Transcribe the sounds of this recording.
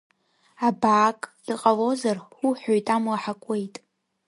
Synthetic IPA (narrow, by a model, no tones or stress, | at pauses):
abaːkʼdɨqʼalo̞zaruħʷᶣojtʼamlaħakʷʼe̞jtʼ